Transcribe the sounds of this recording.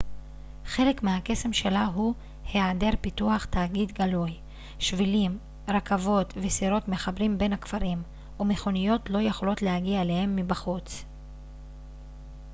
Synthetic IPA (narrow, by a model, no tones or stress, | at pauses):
χe̞le̞kmehake̞se̞mʃe̞laɦu | heade̞ʁpituaχtaːɡid̪ɡaluj | ʃvilim | ʁakavo̞tvesiɾo̞tme̞χabʁimbe̞nhakfaʁim | ume̞χo̞nijo̞tlo̞jeχolo̞tlehaɡiaele̞he̞mːibaχut͡s